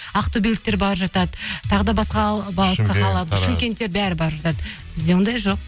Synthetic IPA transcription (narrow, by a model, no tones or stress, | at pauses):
ɑqt̪obʲilʲɪt̪̚ːe̞ɾbɑɾʒɑt̪ɑd̪ət̪ʰɑʁəd̪ɑbɑsqɑbɑlˠsqɑqʰɑlˠɑt̪ʃɪmkʲe̞nt̪ːe̞ɾbæɾɪbɑɾʒɑt̪ɑd̪ə | b̥ɪzd̪e̞wo̞nd̪ɑjʒo̞q̚